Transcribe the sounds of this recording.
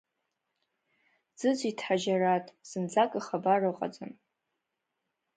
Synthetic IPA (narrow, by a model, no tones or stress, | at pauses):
d͡z̥ɨd͡zʷitʰħaʒaratʼsɨnd͡zakʼɨχabarɨqʼa̰d͡zɨn